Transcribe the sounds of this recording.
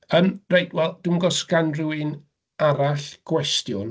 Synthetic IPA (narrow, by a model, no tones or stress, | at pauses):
ənrejtwɛlˠd̥umɡɔskanruwɨn | aɾaɬɡ̥wɛstjʊn